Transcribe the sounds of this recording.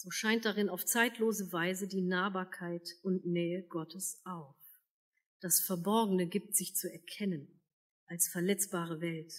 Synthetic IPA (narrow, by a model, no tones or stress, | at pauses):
z̥oːʃaɪnt̚d̥aʁɪnaʊft͡saɪtʰloːzəvaɪzədiːnaːbaːɐkʰaɪtʊntnɛːəɡɔtʰəsʔaʊf | d̥asfɛɐbɔɐɡəŋ̩nəɡiːp̚tz̥ɪçt͡suɛɐkʰɛnən | ʔalsfɛɐlɛt͡sb̥aːʁ̞əvɛlt